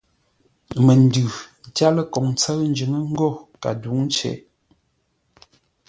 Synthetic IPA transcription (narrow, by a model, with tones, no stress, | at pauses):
mə˨n˨dʉ˨n̩˨ta˦lə˦kɔ˨ŋt͡sə˦ɰn̩˦d͡ʒɨ˨˦ŋə˦ŋ̩˦ɡɔ˦˨ka̰˨du˨˦ŋ˦t͡ʃɛ̰˨˦